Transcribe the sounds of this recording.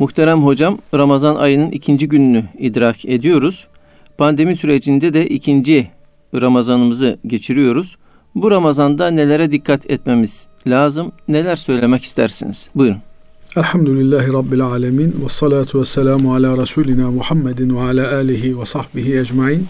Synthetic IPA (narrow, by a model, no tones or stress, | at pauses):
muxt̪ʰeɾæmɦo̞d͡ʒamɾamazanʔa̰jɯnɯnʔicʰind͡ʒiɟynynyid̪ɾaːkʰe̞d̪ijo̞ɾuz̥ | pʰand̪e̞misyɾe̞d͡ʒind̪ɛd̪ɛʔicʰind͡ʒi | ɾamazanɯmɯzɯɟe̞t͡ʃʰiɾijo̞ɾuz̥ | buɾamazand̪ane̞lʲe̞ɾɛd̪ikʰːat̪ʰɛt̪me̞miz̥ | lʲaːzɯmne̞lʲæɾsø̞jlʲe̞mɛci̥st̪ʰæ̰ɾsḭniz̥bujɾun | ʔalħamd̪ʊlɪlːaːhɪɾˤɑbːɪlʕaːlamiːnwɑsˤːɑlaːt̪ʰʊwasːalaːmʊʕalaːɾˤɑsuːlɪnaːmʊħamːad̪waʕalaːʔaːlɪɦɪwɑsˤɑħbɪɦiʔad͡ʒmaʕiːn